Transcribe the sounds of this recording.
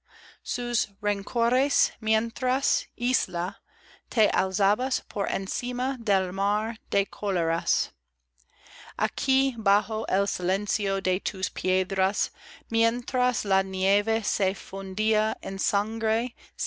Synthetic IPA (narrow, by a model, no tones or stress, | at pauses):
susɹeŋkʰoɾesmjent̪ɾasisla | t̪ʰeʔa̰wzabaspʰoɾḛnsimad̪elmaɾd̪̥ekʰoleɾas | ʔa̰kʰibaxoʔelsilensiod̪et̪ʰuspʰjed̪ɾasmjent̪ɾaslanjevesefund̪iaensãŋɡɾe